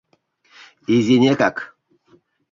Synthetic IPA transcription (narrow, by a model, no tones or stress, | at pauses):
iziɲɛkak